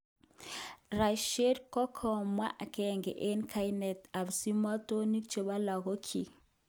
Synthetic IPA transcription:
ɾa˨ʃe˦ɾkɔ˦kʰɔ˨mwa̰˦ʔa˨kɛ˦˨ŋɡɛ̰˨ʔe˦nkʰa˦jnɛ˨ta˨βsi˦ma˦to˦ni˦kt͡ʃe˨βa˦la˨ɣo˦kʰi˨

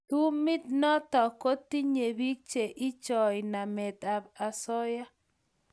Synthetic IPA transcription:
t̪u˦mɪ˦t̪nɔ˦t̪ɔ˨ko˦t̪i˦ɲe˨bi˦k̚t͡ʃe˨ʔɪ˦t͡ʃɔ˨jna˨mɛ˨t̪a˨ba˨sɔ˦ja˦

